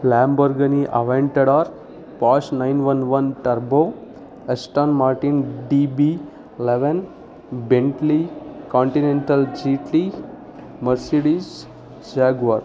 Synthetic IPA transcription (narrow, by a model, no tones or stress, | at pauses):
lambəɾɡəniʔa̰ʋẽɳʈeɽaːɾ | paːsnaɪnʋənʋənʈɐɾbo | esʈanmaːɾʈĩnɖibi | leʋen | bẽɳʈlikɔ̃ɳʈinẽɳʈəld͡ʒiʈli | məɾseɽis | d͡ʒaɡʋaɾ